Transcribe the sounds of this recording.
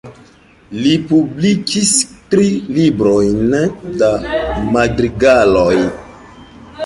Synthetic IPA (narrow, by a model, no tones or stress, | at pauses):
lipublikʰistɾilibɾojndamadɾiɡaloj